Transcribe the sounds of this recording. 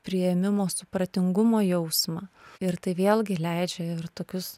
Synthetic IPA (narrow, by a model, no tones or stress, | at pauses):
pʲɾʲɪjɛmʲɪmoːsʊpɾɐt̪ʲɪŋɡʊmoːjɛʊsmɑɪɾt̪ɐɪʋʲeːlˠɡʲɪlʲɛɪd͡ʒʲɛɪɾt̪oːkʲʊs